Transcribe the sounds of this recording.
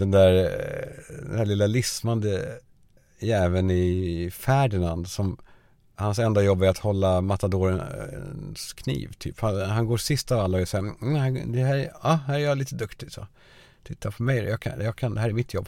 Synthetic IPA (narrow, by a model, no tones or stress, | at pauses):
d̪ɛnd̪æɾ | d̪ɛ̰næːɭlɪlːalɪsmand̪ə | jɛːvənɪfæːɖɪnand̪sɔm | hansɛnd̪ajɔbːæɾat̪hɔlːamat̪ad̪oːɾənskʰnḭːvt̪ʰy̰ːphanhanɡoːʂɪst̪avalːaɔɛsaːhæd̪ɛhæːɾɑhæːɾæɾjɑliːt̪əd̪ɵkt̪ɪsɔ̰ | t̪ʰɪt̪ʰːapʰɔmɛjd̪ɛ̰jɑːkʰa̰jɑkʰand̪ɛhæːɾɛɾmɪt̪ʰjɔbː